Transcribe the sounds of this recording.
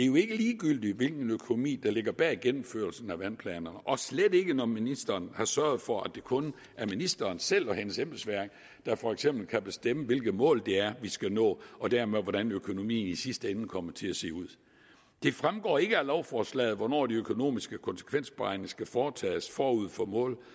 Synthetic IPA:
d̥e̝ɐjo̝e̝ɡ̥əliːɡ̥yl̰d̥iʋe̝lɡ̥n̩økʰono̝mḭːd̥ɑ̈le̝ɡ̥ɐb̥ɛ̰ːiɡ̥en̰m̩føɐlsn̩æʋænpʰlɛ̰ːnɐnəʔɒ̽sled̥e̝ɡ̥ənɒminisd̥ɐːnhɑ̈sɶɐð̞̩ˠfɒ̽æd̥e̝kʰɔ̽n | ʔæɐminisd̥ɐːnsel̰ɒ̽ɦenəsemb̥l̩sʋæɐɡ̥ | d̥ɑ̈fɒ̽eɡ̥semb̥l̩kʰæb̥e̝sd̥eməʋe̝lɡ̥ð̩ˠmɔ̰̽ːld̥e̝æɐʋisɡ̥ænɔ̰ːɒ̽d̥æɐmeʋɒɾænøkʰo̝no̝mḭːn̩isisd̥əenn̩kʰɒ̽m̰ɐt͡sʰe̝æse̝̰ːuð̰ˠ | d̥e̝fʁamɡ̥ɒ̰ːe̝ɡ̥əælɒʊfɒːslɛ̰ːð̩ˠʋɒnɒ̰ːd̥iøkʰo̝no̝̰ːmisɡ̥əkʰɒ̽nsə̥kʰʋen̰sb̥ʁɑ̈ɪnsɡ̥æfɒːt͡sʰɛ̰ːsfɒːuð̰ˠfɒmɔ̰ːl

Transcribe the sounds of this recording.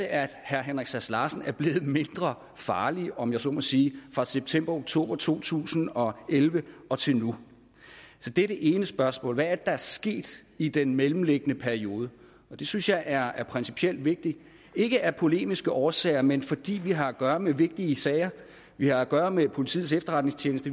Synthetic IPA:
æd̥hæɐɦenʁɐɡ̥sæslɑ̈sn̩æɐb̥le̝ːð̞̩ˠme̝nd̥ʁɐ | fɑ̈ːliɒ̽mjɑ̈ɪsɒ̰mɒsiːfʁɑ̈seb̥̚t͡sʰem̰b̥ɐoɡ̥t͡sʰo̝̰ːb̥ɐt͡sʰo̝̰ːt͡sʰṵːsn̩ɒ̽elʋəɒ̽t͡sʰe̝lnu | sɒ̽d̥eɾ̥əʔeːnəsb̥ɶɐsmɔ̰ːlʋææɐd̥ed̥ɑ̈æɐsɡ̥e̝̰ːd̥id̥enmelm̩leɡ̥ənəpʰæɐio̝ːð̞ˠə | ɒ̽d̥e̝synsjɑ̈ɪʔæɐæɐpʰʁɛnsi̥pʰiel̰d̥ʋe̝ɡ̥̚d̥i | e̝ɡ̥əʔæɐpʰo̝le̝̰ːmisɡ̥əʔɒːsɛ̰ɪɐmenfɒ̽d̥ḭːʋiɦɑ̈æɡ̥ɶːɐmeʋe̝ɡ̥̚d̥iəsɛɪɐ | ʋihɑ̈æɡ̥ɶːɐmepʰo̝lit͡sʰḭð̩ˠsefd̥ɐʁɑ̈d̥ne̝ŋst͡ɕʰjeːnəsd̥ə

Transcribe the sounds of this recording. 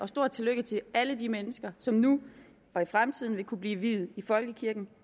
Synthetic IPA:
ɒ̽sd̥o̝ɐ̰d̚t͡sʰe̝løɡ̥ət͡sʰe̝ʔælədimenəsɡ̥ɐsɒ̽mnu | ɒ̽ifʁamt͡sʰið̰ˠn̩ʋe̝kʰub̥liːʋið̩ˠifɒ̽lɡ̥əkʰiɐɡ̥n̩

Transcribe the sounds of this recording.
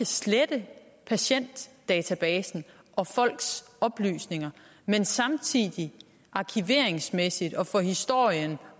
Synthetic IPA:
æsled̥ə | pʰæɕen̰d̥ːɛːt͡sʰæb̥ɛːsn̩ | ʔɒ̽fɒ̽l̰ɡ̥s | ɒ̽b̥ly̰ːsne̝ŋɐ | mensɑ̈mt͡sʰiðˠi | ʔɑ̈kʰiʋe̝ɐ̰e̝ŋsmesid̥ɒ̽fɒ̽hisd̥o̝ɐ̰jən

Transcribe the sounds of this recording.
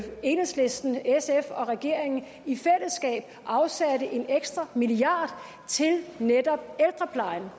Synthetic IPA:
e̝ːnesle̝sd̥n̩esefɒ̽ʁɛɡ̥e̝ɐ̰e̝ŋn̩ | ifel̰əsɡ̥ɛ̰ːb̥ | ʔɑ̈ʊsædəʔe̝neɡ̥sd̥ʁɐmiliɑ̰̈ːd̥ˠ | t͡sʰe̝lned̥ɒ̽b̥̚eld̥ʁɐpʰlɑ̈ɪn

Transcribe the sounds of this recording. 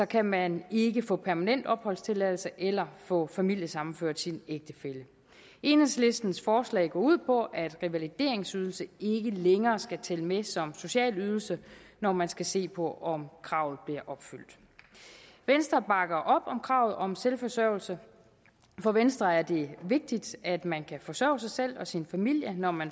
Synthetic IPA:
sɒ̽kʰæmæne̝ɡ̥əfɔ̰̽ːpʰæɐmænen̰d̥ɒ̽b̥hɒ̽lst͡sʰe̝lɛð̰ˠl̩səʔelɐfɔ̰̽ːfæmil̰jəsɑ̈mn̩føɐ̰d̥sineɡ̥̚d̥əfelə | ʔe̝nəsle̝sd̥n̩sfɒːslɛ̰ːɪɡ̥ɒ̰ːuð̞̰ˠpʰɒ̽ʔæd̥ʁiʋælid̥e̝̰ɐ̰eŋsyðˠl̩səe̝ɡ̥əleŋɐːsɡ̥æt͡sʰeləmesɒ̽mso̝ɕɛ̰ːlyð̞ˠl̩sənɒmænsɡ̥æse̝̰ːpʰɒ̽ʔɒ̽mkʰʁɑ̈ʊ̰ð̩ˠb̥liɐʔɒ̽b̥fyl̰d̥ | ʋensd̥ʁɐb̥ɑ̈ɡ̥ɐʔɒ̽b̥ɒ̽mkʰʁɑ̈ʊð̞̩ˠɒ̽mselfɒ̽sœʊl̩sə | fɒ̽ʋensd̥ʁɐæɐd̥e̝ʋe̝ɡ̥̚d̥id̥æd̥mænkʰæfɒ̽sœ̰ːʊsɑ̈ɪsel̰ɒ̽sinfæmil̰jənɒmæn

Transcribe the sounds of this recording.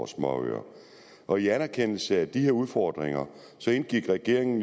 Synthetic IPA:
smɒø̰ɐ̰ | ʔɒ̽iænæɐkʰen̰l̩səæd̥ihe̝ɐuð̞ˠfɒd̥ʁeŋɐ | sɒ̽e̝nɡ̥iɡ̥ʁɛɡ̥e̝ɐ̰e̝ŋn̩

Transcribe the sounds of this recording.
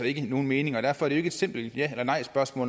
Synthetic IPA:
ɒe̝ɡ̥əno̝ːn̩me̝ːnɪ̝ŋɒd̥æɐ̰fɒæɐɾe̝oeɡəe̝d̥se̝m̰b̥l̩jæelɐnɑ̈ɪ̰sb̥ɶɐsmɔ̰ːln

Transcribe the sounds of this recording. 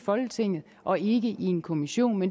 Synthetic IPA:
fɒ̽lɡ̥ət͡sʰe̝ŋ̰ð̩ˠ | ʔɒ̽e̝ɡ̥əʔie̝nkʰo̝miɕo̝̰ːnmen

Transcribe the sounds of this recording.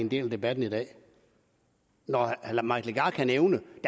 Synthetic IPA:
end̥e̝̰ːlæd̥e̝b̥æd̥n̩idɛ̰ː | nɒlmɑ̈ɡ̥ʰleɡ̥ɑ̈kʰæneʊnəd̥æ

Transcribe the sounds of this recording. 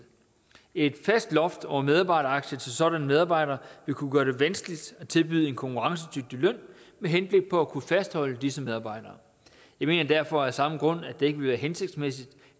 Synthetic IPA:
e̝d̥fæsd̥lɒ̽fd̥ɒʊ̰ɐmeðˠɑ̈b̥ɑ̈ɪɾɐɑ̈ɡ̥ɕət͡sʰe̝lsɒ̽ɾ̥ænəmeð̞ˠɑ̈b̥ɑ̈ɪ̰ɾɐːʋe̝kʰuɡ̥ɶɐɾ̥e̝ʋænsɡ̥əlid̥æt͡sʰe̝lb̥yðˠe̝nkʰɒ̽ŋkʰuʁɑ̈ŋsəd̥yɡ̥̚d̥ilœn̰meɦenb̥le̝ɡ̥̚pʰɒ̽ækʰufæsd̥hɒ̽l̰əd̥isəmeð̞ˠɑ̈ːb̥ɑ̈ɪ̰d̥ɐː | jɑ̈ɪme̝̰ːnɐd̥æɐfɒ̽æɐsɑ̈məɡ̥ʁɔ̽n̰æd̥ee̝ɡ̥əʋe̝lʋæːɐɦense̝ɡ̥̚d̥smesid̥

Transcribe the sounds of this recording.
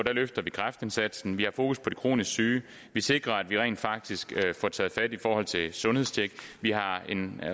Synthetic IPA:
d̥æløfd̥ɐʋikʰʁafd̥e̝nsæd̥sn̩ʋihɑ̈fo̝ːkuspʰɒ̽d̥e̝kʰʁo̝̰ːnisɡ̥syː | ʋise̝ɡ̥ʁɐæd̥ʋiʁɛ̰ɪnd̥fɑ̈ɡ̥̚d̥isɡ̥fɒt͡sʰɛ̰ːð̞̩ˠfæd̥ifɒːhɒ̽l̰t͡sʰe̝sɔ̽nhe̝ðˠsdʰeɡ̥ʋihɑ̈e̝n

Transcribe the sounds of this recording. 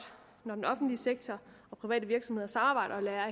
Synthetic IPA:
nɒdenɒ̽fn̩d̥liseɡ̥̚t͡sʰɒ | ɒ̽pʰʁiʋɛ̰ːd̥əʋiɐɡ̥sɒ̽mhe̝ɐsɑ̈mɑbɑ̈ɪ̰̥ɐɒ̽læːɐ

